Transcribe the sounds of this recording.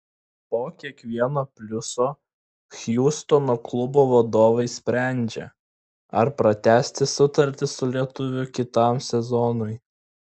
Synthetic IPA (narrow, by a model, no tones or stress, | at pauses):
poːkʲiɛkʋʲiɛnoːpʲlʲʊsoː | xʲjuːst̪onoːklˠʊboːʋɐd̪oːʋɐɪsʲpʲɾʲæˑnʲd͡ʒʲɛ̰ | ɐɾpɾɐt̪ʲæːsʲt̪ʲɪsʊt̪ɐɾʲt̪ʲɪsʊlʲiɛt̪ʊʋʲʊkʲɪt̪ɐˑmsʲɛzɔnʊɪ